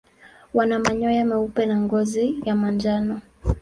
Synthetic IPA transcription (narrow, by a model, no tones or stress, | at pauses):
wanamaɲɔjamɛupɛnaŋɡɔzijamand͡ʒanɔ